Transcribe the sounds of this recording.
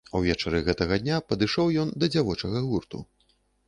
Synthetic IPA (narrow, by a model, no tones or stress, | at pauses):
ɐwvʲɛt͡ʂɐɾɨɣɛt̪ɐɣɐd̪ʲnʲapɐd̪ɨʂɔwjɔnd̪ɐd͡zʲavɔt͡ʂɐɣɐɣurt̪ṵ